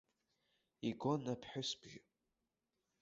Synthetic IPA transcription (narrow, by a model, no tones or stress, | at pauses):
iɡʷonapʰħᶣʊsbʒʲɪ